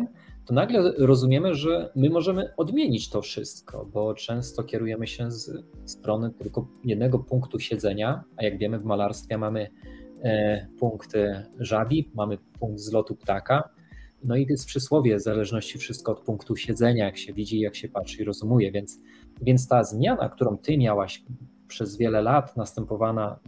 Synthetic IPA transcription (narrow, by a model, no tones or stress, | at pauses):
t̪ɔnaɡlɛɾɔzumʲjɛmɘʐɛmɘmɔʐɛmɘɔd̪mʲjeɲit͡ɕt̪ɔfʂɘst̪kʰɔ̰bɔt͡ʂɛ̃w̃st̪ɔkʲɛɾujɛmɘɕɛzst̪ɾɔnɘt̪ɘlkɔjɛd̪nɛɡɔpuŋkt̪uɕɛd̪zɛɲaajaɡvʲjɛmɘvmalaɾst̪fʲjɛmamɘ | puŋkt̪ʐabʲimamɘpuŋɡ̚d̪zlɔt̪upt̪aka | nɔitɛspʂɘswɔvʲjɛzalɛʐnɔɕt͡ɕifʂɘst̪kɔɔt̪̚puŋkt̪uɕɛd̪zɛɲajakɕɛvʲid͡ʑiːjakɕɛpatʂɘiɾɔzumujɛvʲjɛnt̪s | vʲjɛnt̪st̪azmʲjana̰kt̪uɾɔ̃w̃t̪ɘmʲjawaɕ | pʂɛzvʲjɛlɛlat̪nast̪ɛmpɔvana